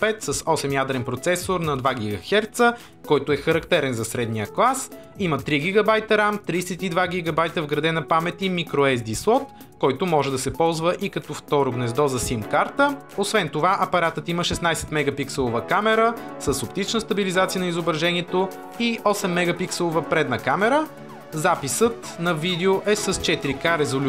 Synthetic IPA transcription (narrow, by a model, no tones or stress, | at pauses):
pɛt̪səsɔsɛmjad̪ɾɛnpɾot̪sɛsoɾnɐd̪vaɡʲiɡəxɛɾt̪sə | kɔjt̪oɛxɐɾɐkt̪ɛɾɛnzɐsɾɛd̪nijəklˠas | imət̪ɾiɡʲiɡɐbajt̪əɾamt̪ɾiːsɛt̪id̪vaɡʲiɡɐbajt̪əvɡɾɐd̪ɛnɐpamɛt̪imikɾoɛzd̪islˠɔt̪ | kɔjt̪omɔʒɛd̪ɐsɛpɔlˠzvəʔikɐt̪ɔft̪ɔɾoɡnɛzd̪ɔzɐsimkaɾt̪ə | osvɛnt̪ovaʔɐpɐɾat̪ət̪iməʃɛsnajsɛ̥t̪mɛɡɐpiksɛlˠovəkamɛɾəsəsopt̪it͡ʃnəst̪əbilizat̪siənɐizobɾɐʒɛniɛt̪o | iʔɔsɛmːɛɡɐpiksɛlˠovəpɾɛd̪nɐkamɛɾə | zapisət̪nɐvid̪ɛoʔɛsəst͡ʃɛt̪iɾikaɾɛzolʲ